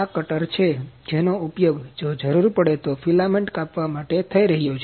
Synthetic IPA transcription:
akəʈəɾt͡ʃʰed͡ʒenoupjoɡd͡ʒod͡ʒəɾuɾpəɽet̪ofilameɳʈkapʋamaʈet̪ʰəiɾəɦijot͡ʃʰe

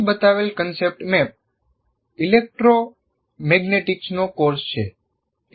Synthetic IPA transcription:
bət̪aʋelkənsep̚ʈmɛp̚ | ilek̚ʈɾo | mɛɡneʈiksnokoɾst͡ʃʰe

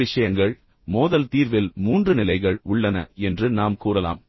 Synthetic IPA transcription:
ɪʂɐjɐŋɡɐɭ | moːðɐlt̪iːɾʋɪlmuːndrɯnɪlɐɪɣɐɭʊɭːɐnɐ̰ɛndrɯnaːmkuːrɐla̰ːm

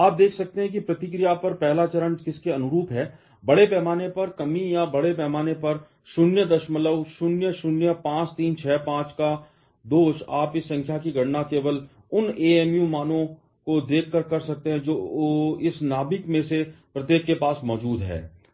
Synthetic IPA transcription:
aːp̚d̪eːkʰsɐk̚t̪eɦɛ̃k̬ipɾɐt̪ɪk̬ɾijapɐɾpɛɦlat͡ʃɐɾə̃ɳkɪskeɐnʊɾuːpɦɛː | bɐɽepɛːmaːnepɐɾkɐmijabɐɽepɛːmaːnepɐɾ | ʃʊnjəd̪ɐʃmələʋʃʊnjəʃʊnjəpãːt͡ʃt̪iːnt͡ʃʰɛːpãːt͡ʃka | d̪oːʃaːpɪsːɐ̃ŋkʰjakiɡʱɐɽnakeːʋəl | ʊneːɛːmjumaːnõ | kod̪eːkʰːəɾkɐɾsɐk̚t̪eɦɛ̃d͡ʒoːɪsnaːbɪkmẽsepɾɐt̪jeːkːepaːsmɔːd͡ʒuːd̪ɦɛ̰ː

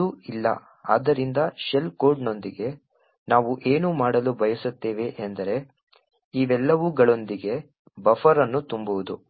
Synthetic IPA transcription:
uilːɐ̰ | a̰ːd̪ɐɾind̪ɐʃelko̞ːɾɖno̞nd̪iɡe̞ | naːʋuʔe̞ːnuːmaːɽɐlubʱɐjɐsut̪ːeːʋe̞ʔend̪ɐɾe̞ | iːʋɛlːɐʋuɡɐɭo̞nd̪iɡe̞ | bɐfɐɾɐnːut̪umbuʋud̪u

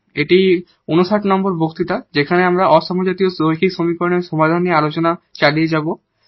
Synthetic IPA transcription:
eʈi | unoʃaʈnɔmboɾbʱokt̪it̪ad͡ʑekʰaneamɾaʔɔʃɔmod͡ʑat̪iosoɦikʰiksɾomikoɾneɾʃɔmad̪ʱaniealot͡ɕonat͡ɕalied͡ʑabo

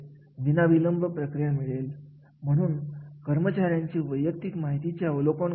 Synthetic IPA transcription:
d̪inabʱiləmbʱəpɾəkɾijamiɭel | m̤əɽ̃uːnkəɾmət͡ɕaɾjãɲt͡ɕiːʋəjːək̚t̪ikmaɦit̪it͡ɕjaəʋlokoɳ

